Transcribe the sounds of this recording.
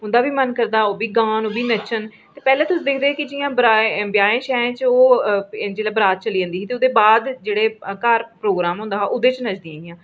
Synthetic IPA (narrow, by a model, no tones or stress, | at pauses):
ʊ̃nd̪aːbiːmənkəɾd̪aːoːbiːɡãːnoːbiːnət͡ʃʰən | t̪eːpɛːlẽːt̪ʊsd̪eːkʰd̪eːkɪd͡ʒɪjãːbəɾaːbjaːẽːʃɛːẽːt͡ʃoːd͡ʒeːlɛːbəɾaːt̪̚t͡ʃəliːd͡ʒə̃nd̪iːsiːt̪eʊd̪eːbaːd̪d͡ʒeːɽeːkaːɾpɾoːɡɾaːmɦʊ̃ːnd̪aːɦːʔʊd̪eːt͡ʃnəd͡ʒd̪ĩjãːɪjãː